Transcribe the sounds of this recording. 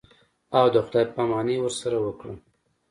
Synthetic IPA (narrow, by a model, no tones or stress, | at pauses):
awd̪əxd̪ajpamɑnewəɾsaɾawəkɽə